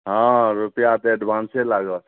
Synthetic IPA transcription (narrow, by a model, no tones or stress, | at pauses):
ɦɔ̃ɾupijat̪eɛɖbanselaɡə